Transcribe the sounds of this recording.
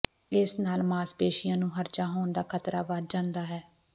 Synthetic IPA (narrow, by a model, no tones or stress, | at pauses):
ɪsnaːlmaːspeːʃɪjãːnũːɦəɾd͡ʒaːɦoːnd̪aːkʰət̪ɾaːʋəd͡ʒãːnd̪aːɦɛː